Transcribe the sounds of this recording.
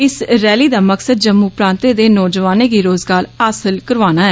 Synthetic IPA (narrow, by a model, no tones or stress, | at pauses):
ɪsɾɛːliːd̪aːməksəd̪̚d͡ʒəmːuːpɾãːnt̪eːd̪eːnɔːd͡ʒəʋaːneːɡiːɾoːzɡaːɾaːsəlkəɾʋaːnaːɦɛː